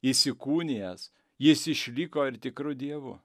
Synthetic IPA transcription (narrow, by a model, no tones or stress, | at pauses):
ɪsʲɪkuːnʲeɛs | jɪsɪʃʲlʲikoːɪɾt̪ʲɪkɾʊd̪ʲiɛʋʊ